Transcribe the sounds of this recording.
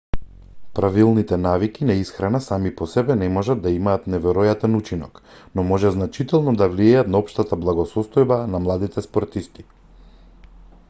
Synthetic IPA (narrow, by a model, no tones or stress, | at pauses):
pɾavilˠnit̪ɛnavikinaisxɾanasamipɔsɛbɛnɛmɔʒad̪d̪aimaːt̪nɛvɛɾɔjat̪ɛnut͡ʃinɔ̰k | nɔmɔʒɛznat͡ʃit̪ɛlˠnɔd̪avliɛjat̪naɔpʃt̪at̪ablˠaɡɔsɔst̪ɔjbanamlˠad̪it̪ɛspɔɾt̪ist̪i̥